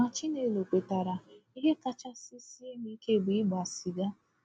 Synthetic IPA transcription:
a˨t͡ʃi˦ne˨lo˨kʷe˨ta˨ɾa˨i˦ɦe˦ka˦t͡ʃa˦si˦si˦e˦mi˦ke˦˨ɡ͡bi˨˦ɡ͡ba˨si˨ɡa˦

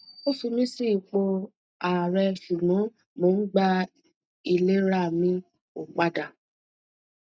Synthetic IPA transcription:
o˦fi˧mĩ˦si˦˨k͡po˧ | a˨ɾɛ˧ʃu˨nũ˨˦ | mo˨˦ɡ͡ba˦ | i˧le˦ɾa˦˨mĩ˦ | o˨k͡pa˧da˨

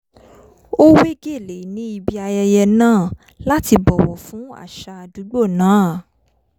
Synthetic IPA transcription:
o˦we˦ɡe˦˨le˨˦nĩ˨˦i˧bi˧a˧jɛ˧jɛ˧nãː˦˨ | la˦ti˧bɔ˨wɔ˨fũ˨˦a̰˦˨ʃa˧a˨du˨˦ɡ͡bo˦˨nãː˨˦˨

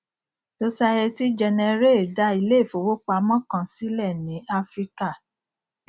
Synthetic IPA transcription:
so˧sa˧ɛ˧ti˦d͡ʒɛ˧nɛ̃˧ɾe˦˨da˧˦i˧le˦˨fo˨wo˦k͡pa˧mɔ̃˦˨kã˧si˦lɛ˦˨nĩ˨˦a˦fɾi˦ka˦˨

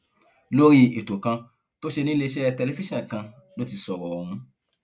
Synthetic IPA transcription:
lo˦ɾi˧e˨to˨kã˧ | to˦ʃe˧nĩ˦le˧˦˧ʃɛ˦˧tɛ˧le˧˦fi˦ʃã˦˨kã˧ | lo˦ti˧sɔ˨ɾɔ˨ɔ˧˨ɾ̃ũ˧

